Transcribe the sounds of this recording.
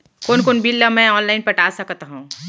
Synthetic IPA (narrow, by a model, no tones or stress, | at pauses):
koːnkonbilːamɛ̃ɔːnlaːɪnpɐʈaːsɐkt̪aɦũː